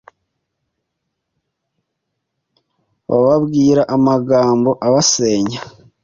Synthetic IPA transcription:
βa̰βaβɡiːɾaʔamaɡaːmbo̞ʔaβase̞ːɲa

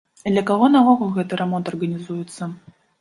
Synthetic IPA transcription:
d̪lʲɐkaɣɔnavɔɣɔɣɛt̪ɨɾɛmɔnt̪ɐrɣɐnʲizujɛt̪sːɐ

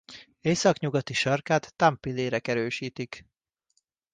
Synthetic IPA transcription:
eːsɒkɲuɡɒt̪iʃɒrkaːt̪ːampileːɾɛkɛɾøːʃiːt̪ik

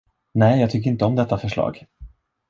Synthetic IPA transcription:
nɛːjɑːɡ̚t̪ʰʏkːɾɪnt̪əɔmd̪ɛt̪ːafœʂɭɑ̰ːɡ

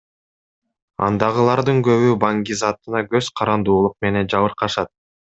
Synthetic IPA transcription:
ɑ̰nd̪ɑʁɯlˠɑɾd̪ɯŋɡø̞βybɑŋɡʲizɑt̪ɯnɑɡø̞zqʰɑɾɑnd̪uːlˠuq̚me̞ne̞nd͡ʒɑβɯɾqɑʃɑt̪̚

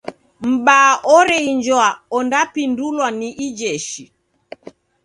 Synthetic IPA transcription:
m̩ɓaʔɔɾɛiɲd͡ʒɔaɔndapindulwaniʔid͡ʒɛʃi

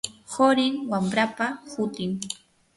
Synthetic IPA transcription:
hoɾɪŋwambɾapahʊt̪ɪŋ

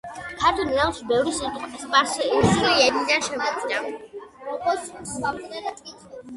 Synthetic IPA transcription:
kʰaɾt̪ʰɔnialˠʃibɛvɾisit̪ʼqʼbispʼaɾsɛsiɛd̪id̪anʃɛmɔd̪zina | ɔkʼɔsat̪ʼ

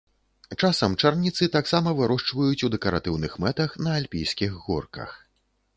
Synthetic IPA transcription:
t͡ʂasɐmt͡ʂarnʲit̪sɨt̪aksamɐvɨɾɔʂt͡ʂvɐjut͡sʲud̪ɛkɐɾa̰t̪ɨwnɨxmɛt̪ɐxnɐːlʲpʲijskʲiɣɣɔ̰rkɐ̰x

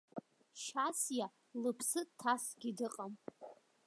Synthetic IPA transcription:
ʃasja | lɨpʰsɨtʰːasɡʲidɨqʼam

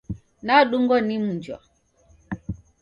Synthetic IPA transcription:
naɗuŋɡɔnim̩ɲd͡ʒwa̰

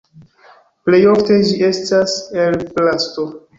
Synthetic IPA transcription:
ple̞jofte̞d͡ʒiʔe̞staselplasto

